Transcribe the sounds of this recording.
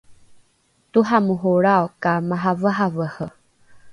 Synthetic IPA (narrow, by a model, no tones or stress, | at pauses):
t̪uɦamuɦoɾaokamãɦavəɦavəhə